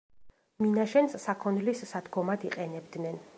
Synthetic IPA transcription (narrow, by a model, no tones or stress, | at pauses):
minaʃɛnssakʰɔnlisːad̪ɡɔmad̪iqʼɛnɛbd̪nɛn